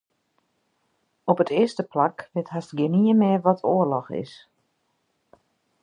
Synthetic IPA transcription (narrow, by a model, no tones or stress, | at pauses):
ɔpətɪəstəplakʋɪthɦastɡɪniəmɪəʋɔtʰoərlɔxɪ̰s